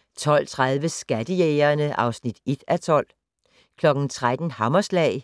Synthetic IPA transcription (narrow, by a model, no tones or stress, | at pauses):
t͡sʰɒ̽l̰t͡sʰʁað̞ˠʋəsɡ̥æd̥əjeːɐnəʔɑ̈ʊsnid̥ed̥æt͡sʰɒ̽l̰ | kʰlɒ̽ɡ̥n̩t͡sʰʁad̥n̩hɑ̈mɐslɛ̰ɪ